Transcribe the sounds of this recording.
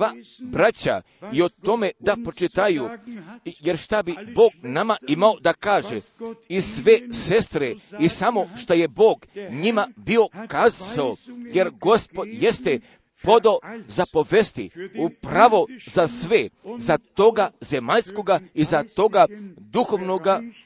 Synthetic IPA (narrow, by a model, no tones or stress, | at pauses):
abɾat͡ɕa̰ | io̞t̪o̞med̪apot͡ʃit̪aju | je̞ɾʃt̪abibo̞ːɡnamaimao̞d̪akaːʒeisʋese̞st̪ɾeisamo̞ʃt̪oje̞bo̞ːɡɲimabio̞kazaoje̞ɾɡo̞spo̞d̪je̞st̪e | po̞d̪ozapo̞ʋest̪ḭupɾaʋo̞zasʋezat̪o̞ɡazemaʎskoɡaizat̪o̞ɡad̪uxoʋnoɡa